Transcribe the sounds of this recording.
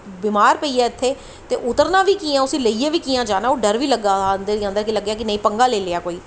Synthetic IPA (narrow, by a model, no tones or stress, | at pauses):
biːmaːɾpəiːaːɪt̪ʰːeː | t̪eːʔʊt̪əɾnaːʋiːkiːãːʊsĩːləiːẽːʋiːkiːãːd͡ʒaːnãːoːɖəɾʋiːləɡaːnd̪ed̪iːə̃nd̪əɾkiləɡːjaːkɪnəĩːpəŋɡaːleːleːaːkoːiː